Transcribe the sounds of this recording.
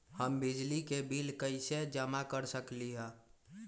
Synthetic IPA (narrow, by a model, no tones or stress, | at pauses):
həmbɪd͡ʒlikebilkəɪsed͡ʒəmakəɾsəkliɦɛ̃ː